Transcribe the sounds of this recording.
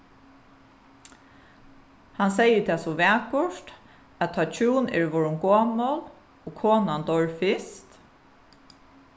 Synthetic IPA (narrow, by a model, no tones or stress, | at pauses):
hansɛjət̪ʰɛːsɔʋɛːkʊʂt̪ | ætt̪ʰɑːt͡ʃʰuːnɛ̰ɹʋɔɹʊŋkoːmɔl | oːɡkʰoːnant̪ɔɹfɪst̪